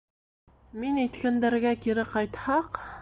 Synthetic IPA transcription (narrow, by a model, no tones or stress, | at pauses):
minæjt̪kænd̪æ̆ɾɡækiɾɘqɑjt̪hɑq